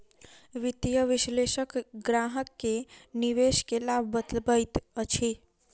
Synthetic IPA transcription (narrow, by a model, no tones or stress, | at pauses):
ʋɪt̪jəʋɪʃleʃəkɡɾaɦəkːeniʋeʃkelab̚ʱbəd̪əlbəjt̪ət͡ʃʰi